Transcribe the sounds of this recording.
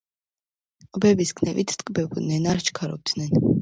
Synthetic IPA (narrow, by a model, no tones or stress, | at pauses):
bɛbiskʰnɛvit̪ʰt̪ʼkʼbɛbd̪nɛnaɾt͡ʃʰkʰaɾɔ̰b̚d̪nɛn